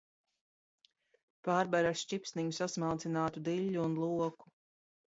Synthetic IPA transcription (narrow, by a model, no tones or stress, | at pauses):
paːɾbaɾaʃt͡ʃʲipsʲniɲusasmawt̪sinaːt̪ud̪iʎʲːuːnlˠuɔku̥